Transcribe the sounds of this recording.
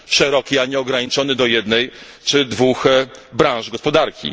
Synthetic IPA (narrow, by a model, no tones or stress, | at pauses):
ʂɛɾɔkʲiaɲɛɔɡɾaɲit͡ʂɔnɘd̪ɔjɛd̪nɛjt͡ʂɘd̪vuxbɾãw̃ʐɡɔspɔd̪aɾkʲḭ